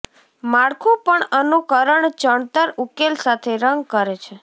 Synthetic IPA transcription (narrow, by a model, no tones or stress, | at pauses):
maɽkʰũpəɳənukəɾəɳt͡ʃəɳt̪əɾukelsat̪ʰeɾəŋɡ̚kəɾet͡ʃʰe